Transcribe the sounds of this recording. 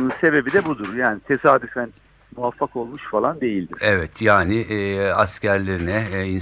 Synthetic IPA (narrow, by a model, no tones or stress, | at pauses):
unse̞be̞bid̪ɛbud̪uɾjaːnit̪ʰe̞saːd̪yfæn | muvafːako̞lˠmuʃfalˠand̪e̞jilʲd̪iɾɛvɛt̪ʰjaːnɪʔascæɾlʲeɾinɛin